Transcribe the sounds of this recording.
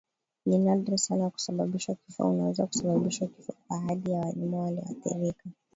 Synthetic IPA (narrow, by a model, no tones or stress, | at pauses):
ninadɾisanaku̥saɓaɓiʃakifa̰unawɛzaku̥saɓaɓiʃakifɔaɦaɗijawalimawaliha̰θḭɾika